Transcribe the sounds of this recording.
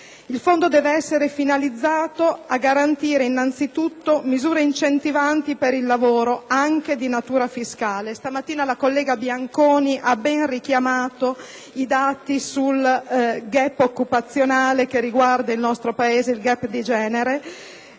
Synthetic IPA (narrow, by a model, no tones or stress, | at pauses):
ilfond̪od̪ɛːveɛsːeɾefinalid̪zːaːt̪oaɡːaɾant̪iːɾeinːant̪sit̪ut̪ːomizuːɾeint͡ʃent̪ivant̪ipeɾilːavoːɾoaŋked̪inat̪uːɾafiskaːlest̪amat̪ːiːnalakolːɛːɡabjaŋkoːniʔabːɛnrikjamaːt̪o | id̪aːt̪isulɡɛpːokːupat̪sːjonaːlekerːiɡward̪ailnɔst̪ɾopaeːzeilɡɛpːd̪id͡ʒɛːneɾe